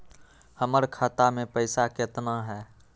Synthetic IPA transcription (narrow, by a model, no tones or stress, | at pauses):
həməɾkʰaːt̪amẽpəɪsaket̪naɦɛː